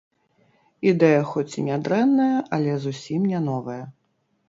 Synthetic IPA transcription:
id̪ɛjɐxɔt͡sʲinʲad̪ɾɛnːɐjɐʔɐlʲɛzusʲimnʲɛnɔvɐjɐ

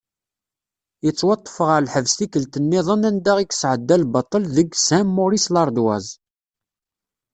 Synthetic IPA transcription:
jət͡sˤːwɑt̪ˤːə̥fəʁəɾlħəvst̪ikəlt̪ənːɪðˤənænd̪æʁiksʕəd̪ːælbɑt̪ˤːəlðəɡsæmːoɾislɑɾˤd̪wæ̰z

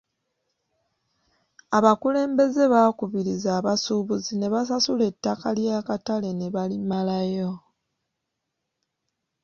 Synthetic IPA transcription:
aβakule̞ːmbe̞ze̞βakuβiɾizaːβasuːβuzine̞βasasule̞tːakaljaːkatale̞ne̞βalimalajo̞

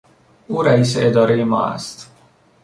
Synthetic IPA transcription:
ʔuːɾæiːs̬eʔed̪ɒːɾejemɒ̰ːæ̰st̪

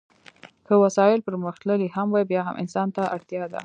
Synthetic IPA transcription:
kəwasɑjɪlpəɾməxt̪ləlihamwajbjɑɦa̰mʔɪ̰nsɑnt̪aʔaɽt̪jɑd̪a̰

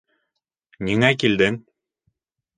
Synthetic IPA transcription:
niŋækild̪ɘŋ

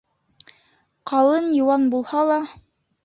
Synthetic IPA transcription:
qʰɑlˠɤnjŏwɑnbulˠhɑlˠɑ

